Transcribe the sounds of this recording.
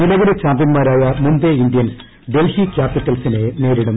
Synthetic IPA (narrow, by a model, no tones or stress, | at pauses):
nilɐʋiɽit͡ɕaːmb̪jɐnmaːɾaːjɐmund̪eind̪jɐn | ɖe̞lhikʲjaːpːiʈːɐlsinene̞ːɾiɽum